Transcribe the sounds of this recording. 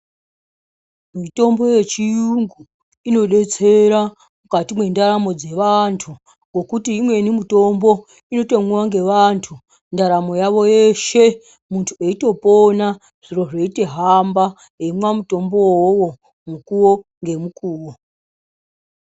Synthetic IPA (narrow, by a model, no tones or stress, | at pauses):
mito̞mbo̞je̞t͡ʃijuŋɡu | ino̞ɗe̞t͡se̞ɾa | mukatimwe̞ndaɾamo̞d͡ze̞ʋantʰu | ɡo̞kutiːmwe̞nimuto̞mbo̞ | ino̞to̞mwuwaŋɡe̞ʋantʰu | ndaɾamo̞jaʋo̞je̞ʃe̞ | muntʰueito̞pona | ʐ̥iro̞ʐe̞ite̞ɦamba | ɦemwamuto̞mbo̞wowo̞ | mukuwo̞ŋɡe̞mukuːwo